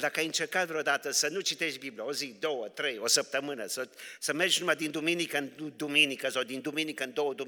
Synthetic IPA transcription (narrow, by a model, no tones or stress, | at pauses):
d̪akəajɨnt͡ʃerkat̪vɾod̪at̪əsənut͡ʃit̪eʃt̪̚biblijaozikd̪o̞wət̪ɾejosəp̚t̪əmɨnəsəsəmerd͡ʒnumad̪ind̪uminikənd̪uminikəsawd̪ind̪uminikəɨnd̪owəd̪u